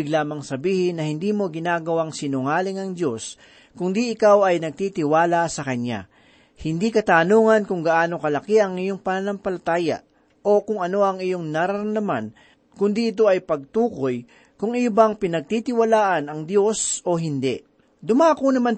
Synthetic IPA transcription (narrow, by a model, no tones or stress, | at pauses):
ɪɡlaːmɐŋsɐbiːhɪnːɐhɪnd̪iːmo̞ɡɪnaːɡɐwaŋsɪnʊŋaːlɪŋɐŋd̪jo̞s | kʊnd̪iʔɪkawɐjnɐɡ̚t̪it̪ɪwaːlɐsɐkɐɲa̰ | hɪnd̪ikɐt̪aːnoːŋɐnkʊŋɡɐʔaːno̞kɐlɐkiʔɐŋɪjoŋpɐnɐnɐmpɐlɐt̪aːja̰ | ʔo̞kʊŋɐno̞ɐŋɪjoŋnɐɾɐɾɾɐnd̪ɐman | kʊnd̪iʔɪt̪̬o̞ʔɐjpɐɡ̚t̪uːko̞j | kʊŋɪbaŋpɪnɐɡ̚t̪it̪ɪwɐlaːʔɐnɐŋd̪jo̞sʔo̞ɦɪnd̪ɛʔ | d̪ʊmakonɐman